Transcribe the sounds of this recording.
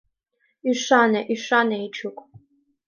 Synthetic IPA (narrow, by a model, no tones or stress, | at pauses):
iʂanɐʔiʂʷanɐit͡ʃʰɨkʷʼ